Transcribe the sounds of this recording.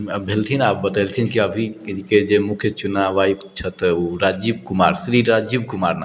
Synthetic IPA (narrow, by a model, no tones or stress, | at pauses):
bʱelt̪ʰinaːp̚bət̪alt̪ʰinkiəbʱiiked͡ʒemukʰjət͡ʃunaʋaiput͡ʃʰət̪oɾad͡ʒib̚kuma̰ːɾsɾiɾad͡ʒib̚kumaːɾna